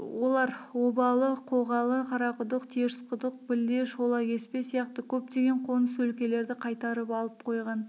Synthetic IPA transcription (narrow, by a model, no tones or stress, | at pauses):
wo̞lˠɑɾwo̞bɑlˠəqʰo̞ʁɑlˠəqʰɑɾɑqəd̪əqt̪ʰeɾɪsqəd̪əq̚bɪld̪e̞ʃo̞lˠɑkʲʰe̞spe̞sijɑqt̪əkʲʰɵp̚t̪e̞ɡʲe̞ɴqʰo̞nəswɵlkʲe̞le̞ɾd̪ɪqʰɑjt̪ɑɾəpɑlˠəp̚qʰo̞jʁɑn